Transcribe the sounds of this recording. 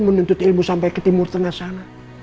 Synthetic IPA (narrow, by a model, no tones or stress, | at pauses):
mənunt̪ʊt̪ilmusampakət̪imʊrt̪əŋasana